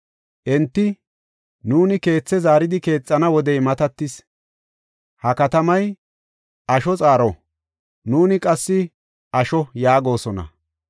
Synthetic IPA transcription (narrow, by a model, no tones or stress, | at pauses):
ʔɛnt̪ːɪ | nuːnɪke̞ːt͡sːɛzaːɾɪd̪ɪke̞ːt͡sʼːɐnɐwɔd̪ɛjmɐt̪ɐt̪ːɪs | hɐkɐt̪ɐmɐj | ʔɐʃɔt͡sʼaːɾɔ | nuːnɪkʼɐsːɪ | ʔɐʃɔjaːɡo̞ːsɔnɐ̰